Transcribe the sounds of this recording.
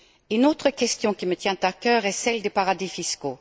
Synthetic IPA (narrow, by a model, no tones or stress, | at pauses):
ynoːt̪χəkʲɛst̪jɔ̃kʲimət̪jɛ̃t̪akœːʁɛsɛld̪epaʁad̪ifisko